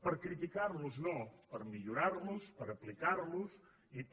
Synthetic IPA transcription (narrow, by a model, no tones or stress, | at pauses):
pəɾkɾit̪ikarluznopəɾmiʎuɾaɾluspəɾəplikarlus | i